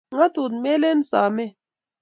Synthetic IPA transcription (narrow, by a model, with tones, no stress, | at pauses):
ŋa˦t̪u˨t̪me˦le˦n˦saː˨me˦